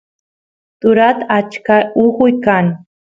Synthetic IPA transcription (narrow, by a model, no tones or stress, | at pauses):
t̪ʊɾat̪aat͡ʃkaʊhʊjkaŋ